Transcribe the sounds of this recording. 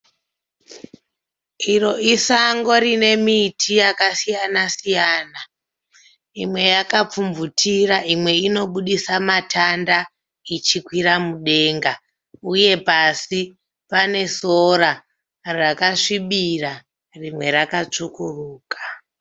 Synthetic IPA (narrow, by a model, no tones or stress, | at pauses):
iro̞isaŋɡo̞rine̞mitʰijakasijanasijaːna | imwe̞jakap͡fumvutʰiraʔimwe̞ino̞ɓuɗisamatʰanda | it͡ʃikwiɾamuɗe̞ːŋɡa | uje̞pasi | pane̞so̞ɾa | rakaʂiɓira | rimwe̞ɾakat͡ʂukuruːkḁ